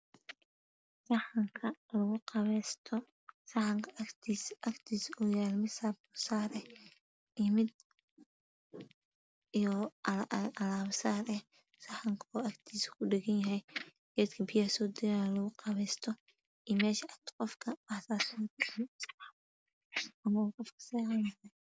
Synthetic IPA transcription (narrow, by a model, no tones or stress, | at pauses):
sɑħɐŋkʰɐlɐɣʊqɑβɛst̪ʰɔ | sɑħɐŋkʰkt̪ʰisʔɐkt̪ʰiːsɔjaːlmɪsaːbʊsaːɾɛ | ɪmɪd̪ | ijɔ | ʔɐlaːβsaːɾɛh | sɑħɐŋkʰɔʔɐkt̪ʰiːskʰʊɖɪɣɐnjɐɦɛj | ɡ̥ɛːt̪kʰɐbɪjaːsɔːd̪ɪjanlɐɣʊqɑβɛːst̪ʰɔ | ijmɛːʃɐʔɐk̚t̪ʰqɔfkʰɐbɐħsaːsɔd̪ns | ɐmɐwqɔfkʰɐ̥sɛhɑnɐɐ